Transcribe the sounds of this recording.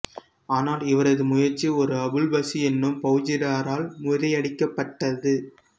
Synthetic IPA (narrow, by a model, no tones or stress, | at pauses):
aːnaːlɪʋɐɾɐðɯmʊjɐɾt͡ʃːiɔɾɯɐbɪlbɐsiɛnːɯmpɐɣɯd͡ʒɪɾaːɾaːlmʊðɐɪɐɽɪkːɐpːɐʈːɐðɯ